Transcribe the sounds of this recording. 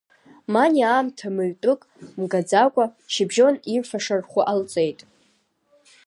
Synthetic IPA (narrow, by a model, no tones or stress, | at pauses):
maniaːmtʰamɨɥtʼʊkʼmɡad͡zakʷʼaʃɪbʒo̞nimfaʂarχʷʊʔalt͡sʼe̞jtʼ